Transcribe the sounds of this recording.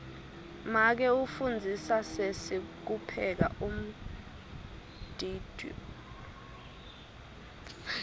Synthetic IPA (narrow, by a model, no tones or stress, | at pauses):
mak̬ɛufund͡zʱisasesik̬upʰɛk̬a̰ʔum̩ | d̥ʱiːd̥ʱɔ̰